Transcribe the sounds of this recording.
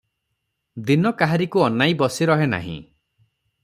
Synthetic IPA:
d̪inɔkaɦaɾikuɔnajbɔsiɾɔɦena̰ɦḭ̃

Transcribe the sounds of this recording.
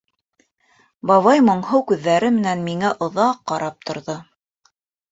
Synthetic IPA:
bɑβɑjmŏɴhɤwkʉðːæɾɘmɘ̆nænmiŋæʔŏðɑqːɑɾɑp̚t̪ʰŏɾðo

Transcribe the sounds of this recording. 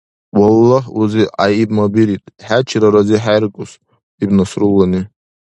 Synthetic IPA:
walːahuziʔajibmabiɾitʼħat͡ʃʰɾaɾaziħajrkʼʊs | ibnasrulːani

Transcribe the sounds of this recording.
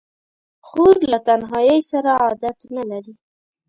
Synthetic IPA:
xoɾlat̪anɦɑjəjsaɾaɑd̪at̪nalaɾi

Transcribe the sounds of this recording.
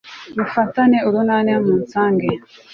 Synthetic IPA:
mufɐt̪aneuɾunaːneamunsaːŋɡe

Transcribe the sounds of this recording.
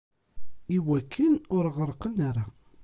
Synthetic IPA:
iwækʰːənʊɾʁəɾˤqənaɾa

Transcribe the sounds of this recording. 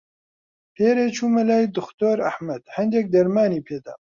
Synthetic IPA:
pʰeːɾeːt͡ʃʰuːmɐlaːjd̪ʊxt̪oːɾɐ̰hmɐd̪hɐnd̪jɛk̚d̪ɐɾmaːniːpʰeːd̪a̰ː

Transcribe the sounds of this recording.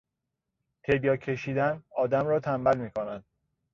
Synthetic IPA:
t̪ʰebjɒːcʰe̞ʃiːd̪ænɒːd̪æmɾɒːt̪ʰæmbælmiːkʰonæd̪̥̚

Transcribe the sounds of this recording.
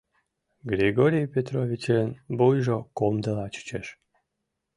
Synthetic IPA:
ɡɾʲeɡoɾʲijpʲet̪ɾovʲit͡ɕenbujʒokomd̪əlɑt͡ɕə̥t͡ɕeʃ

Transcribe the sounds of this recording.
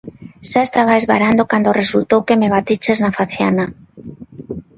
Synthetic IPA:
ʃaest̪aβaezβaɾand̪okand̪oresult̪owkemeβat̪it͡ʃeznafaθja̰na

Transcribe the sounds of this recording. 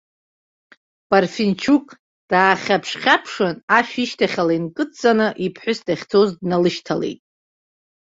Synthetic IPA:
b̥arfint͡ʃʰukʼ | d̥aːχʲapʰʂχʲapʰʂɨnaʃᶣiʃtʰaχʲalainkʼɨt͡sʼanɨʔipʰħʷʊsdaχʲt͡sʰozdnalɨʃtʰale̞̰jtʼ

